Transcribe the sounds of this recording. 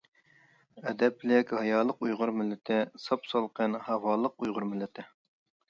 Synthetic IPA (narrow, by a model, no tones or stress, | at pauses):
ɛd̪ɛplɪkʲhɑjɑːlˠəqujʁʊɾmɪlːɪt̪ʰɪsɑpsɑlˠqʰənhɑvɑːlˠəqujʁʊɾmɪlːɪt̪ʰɪ